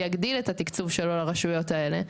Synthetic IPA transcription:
jaɡd̪ilet̪at̪ikt͡suvʃelolaʁaʃujo̞t̪ae̞le̞

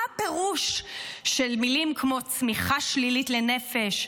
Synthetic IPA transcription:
apeʁuʃʃelmilimkʰmo̞t͡smiχaʃlilitle̞ne̞fe̞ʃ

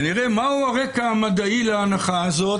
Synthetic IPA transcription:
niʁemauaʁekaamad̪aileanaχaazot

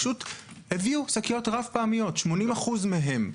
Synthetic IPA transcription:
ʃut | heviusakijo̞tʁafpaamijo̞tʃmo̞nimaχuzmeɦe̞m

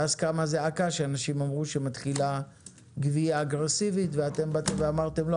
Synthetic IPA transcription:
azkamazeakaʃeanaʃimamʁuʃemat̪χila | ɡviaːɡʁe̞sivitveat̪e̞mbat̪emveamaʁt̪e̞mlo

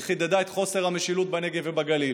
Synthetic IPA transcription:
χid̪ed̪aet̪χo̞se̞ʁameʃilut̪̚baneɡevebaɡali

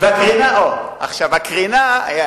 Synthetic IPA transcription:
veakʁinaʔo | a̰χʃavakʁinaa̰ja

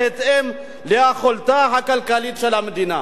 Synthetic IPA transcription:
et̪em | ljaxolt̪aɦakalkalit̪ʂɐlaməd̪ina

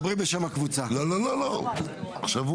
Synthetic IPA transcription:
bʁimbeʃamhakvut͡salolololoaχʃav

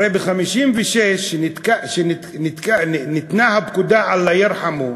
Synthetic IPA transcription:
ɾebeχamiʃimveʃeʃikaʃenit̪kanit̪nahabkud̪aʕalːajiɾħamu

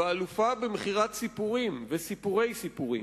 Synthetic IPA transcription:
aalufabemeχiʁat̪sipuʁimvesipuʁe̞jsipuʁḭ

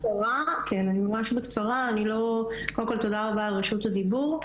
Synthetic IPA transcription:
aʁakʰenanimamaʃbekt͡saʁaːnilo̞kodmkolt̪o̞daʁabaːlʁeʃut̪ad̪ibuʁ

